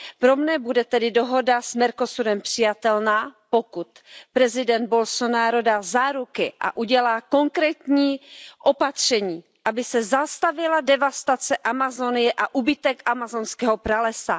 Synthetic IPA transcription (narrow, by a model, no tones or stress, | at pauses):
pɾomɲɛbudɛt̪ɛdɪdoɦo̞dasmɛɾko̞suɾɛmpr̥ɪjat̪ɛlnaːpokut̪pɾɛzɪdɛnd̪̚bolsonaːɾo̞dazaːɾukɪʔa̰ʔuɟɛlaːko̞ŋkɾɛːt̪ɲiːʔo̞pat̪r̝̥ɛɲiː | ʔabɪsɛzast̪avɪladɛvast̪at͡sɛʔamazonɪjɛʔaʔubɪt̪ɛkʔamazonskɛːɦopɾalɛsa